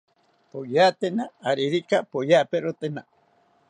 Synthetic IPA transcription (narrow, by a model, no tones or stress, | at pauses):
pojat̪enaːɾiɾikapojapeɾot̪ena